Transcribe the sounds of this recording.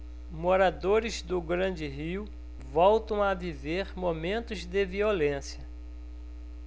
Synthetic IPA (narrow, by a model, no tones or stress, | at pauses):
moɾad̪oɾɪzd̪ʊɡɾɐ̃d͡ʒɪɦiw | vɔwt̪ɐ̃w̃aviveɾmomẽnt̪ʊzd̪ɪviolẽsjɐ